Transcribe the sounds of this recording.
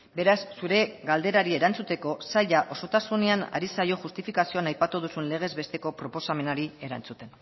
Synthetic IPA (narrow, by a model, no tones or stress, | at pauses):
be̞ɾasːuɾe̞ɡald̪e̞ɾaɾie̞ɾant͡sut̪e̞ko̞saʎaʔo̞so̞t̪asune̞ana̰ɾisajo̞ʝust̪ifikasio̞anajpat̪uð̞usunle̞ɣ̞e̞zβe̞st̪e̞ko̞pɾo̞po̞same̞naɾie̞ɾa̰nt͡sut̪e̞n